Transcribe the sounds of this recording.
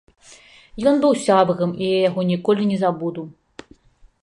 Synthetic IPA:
jɔnbɨwsʲabɣɐmijjaɣɔnʲikɔlʲinʲɛzabud̪uw

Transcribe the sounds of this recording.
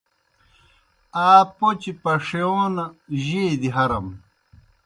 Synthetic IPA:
aːpot͡ɕipɐʂeoːnɐʑeːd̪iɦɐɾɐm

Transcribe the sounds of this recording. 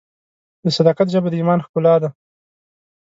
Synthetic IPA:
d̪əsad̪ɑkat̪ʒəbad̪əimɑnxkʊlɑd̪a

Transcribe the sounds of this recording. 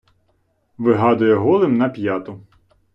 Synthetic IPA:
ʋɪɦɑd̪ʊjɛɦɔlˠɪmnɐpʲjɑt̪ʊ

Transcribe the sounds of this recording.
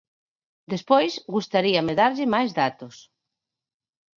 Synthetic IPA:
d̪espojsɣust̪aɾiameðaɾʎɪmajzðat̪os

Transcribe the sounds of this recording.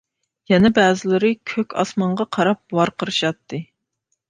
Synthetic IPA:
jɛnɛbæːzɪlɪɾɨkʲʰøkʲɑ̰smɑɴʁɑqʰɑɾɑp̚wɑɾqəɾɨʃɑt̪ʰːɨ

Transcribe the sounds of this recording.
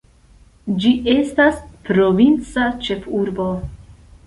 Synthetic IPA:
d͡ʒiʔe̞staspɾo̞vint͡sat͡ʃe̞fuɾbo̞

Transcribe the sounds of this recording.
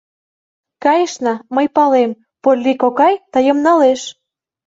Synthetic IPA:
kɑjəʃnɑməjpɑlem | polʲːikokɑjt̪ɑjəmnɑleʃ

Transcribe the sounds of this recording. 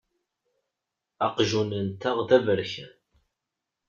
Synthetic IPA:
ɑqʒunənt̪əʁðævəɾçæn

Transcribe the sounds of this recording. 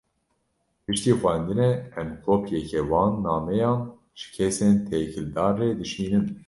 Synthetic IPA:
pɨʃt̪iːxʷænd̪ɨnɛɛmkʰoːpʰjɛkʰɛwɑːnːɑːmɛjɑːn | ʒ̥ɨ̥kʰɛseːnt̪ʰekʰɨld̪ɑːrːed̪ɨʃiːnɨm

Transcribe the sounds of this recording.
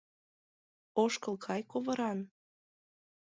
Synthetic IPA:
oʃkɤlˠkʰɑjkoβɤ̆ɾɑn

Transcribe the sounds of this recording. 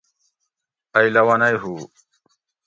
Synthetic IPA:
ɐjlɐwɐnɐjɦuː

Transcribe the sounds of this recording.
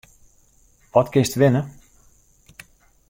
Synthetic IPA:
ʋɔtkɪstʋɪnə

